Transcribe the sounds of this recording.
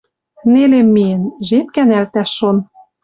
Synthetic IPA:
nelemːienʒep̚kænælt̪æʃːon

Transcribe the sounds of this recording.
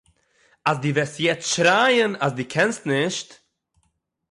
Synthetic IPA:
as̬diːvɛstjɛt͡stʃɾaɪənasdiːkʰɛnstnɪʃt

